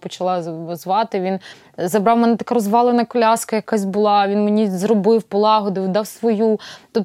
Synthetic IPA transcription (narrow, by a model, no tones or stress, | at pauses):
pɔt͡ʃɐlˠɑzʋɑt̪ɪʋʲin | zɐbɾɑwmɛnɛt̪ɐkaɾɔzʋɑlˠenɐkɔlʲɑskɐjɐkɑsʲbʊlˠɑʋʲinmenʲizrɔbɪwpɔlˠɑɦɔd̪ʊʋd̪ɑwsʋɔjut̪ɔ